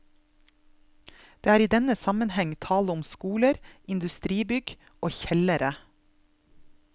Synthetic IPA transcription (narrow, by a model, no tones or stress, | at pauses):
d̪̥eːæːɾiːd̪ɛnəsɑmənhɛŋt̪ʰɑːlʊmskuːləɾʔɪnd̪ʉst̪ɾiːbʏɡ | ʔoːçɛləɾə